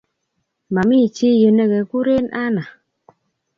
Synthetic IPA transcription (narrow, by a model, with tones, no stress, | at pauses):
ma˨mi˦˨t͡ʃi˦jə˨ne˦ɡɛ˨ku˦ɾe˦nʔa˦na˨